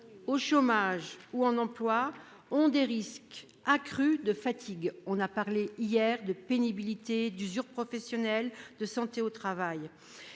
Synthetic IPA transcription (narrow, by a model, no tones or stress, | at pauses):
oʃomaʒuɑ̃nɑ̃plwa | ɔ̃d̪eʁisk | akχyd̪əfat̪ʰiɡɔ̃napaʁleijɛʁd̪əpenibilit̪ed̪yzyʁpχɔfɛsjɔnɛld̪əsɑ̃t̪eot̪χavaj